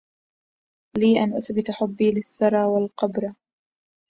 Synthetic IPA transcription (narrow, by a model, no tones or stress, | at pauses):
liːʔanʔʊθbɪt̪aħʊbːiːlɪθːɑɾˤɑːwalqɑbɾˤɑ